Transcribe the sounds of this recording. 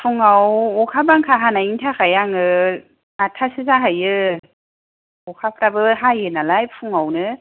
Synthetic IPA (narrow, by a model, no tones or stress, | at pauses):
pʰuŋawɔkʰabaŋkʰaɦanaiŋtʰakʰajaŋɯ | atʰasɯzaɦajɯ | ɔkʰapʰɾabɯɦajɯnalajpʰuŋawnɯ